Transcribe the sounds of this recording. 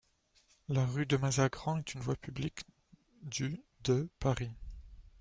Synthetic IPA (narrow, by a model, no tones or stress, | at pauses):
laʁyd̪əmazaɡʁɑ̃ɛt̪ynvwapyblik | d̪yd̪əpaʁi